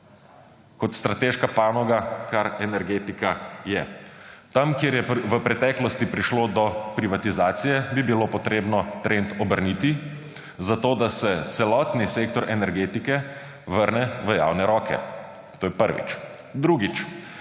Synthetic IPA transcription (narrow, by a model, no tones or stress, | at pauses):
kɔt̪st̪ɾat̪eːʃkapaːnɔɡakaɾɛnɛɾɡeːt̪ikajɛt̪amkjeɾjɛʋəpɾɛt̪ɛklɔst̪ipɾiʃloːd̪ɔpɾiʋat̪izaːt̪sijɛbibilopɔt̪ɾeːbnɔt̪ɾent̪ɔbəɾnit̪i | zat̪oːd̪asɛt̪sɛlɔt̪niseːkt̪ɔɾʔɛnɛɾɡeːt̪ikɛ | ʋəɾnɛʋəja̰wnɛɾɔːkʰɛ̰ | t̪oːjɛpəɾʋḭt͡ʃ | d̪ɾuɡit͡ʃ